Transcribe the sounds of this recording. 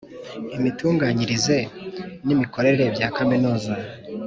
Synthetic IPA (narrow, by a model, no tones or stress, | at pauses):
imituːŋɡaːɲiɾize̞nimiko̞ɾe̞ɾeɾe̞bjaːkaminuːza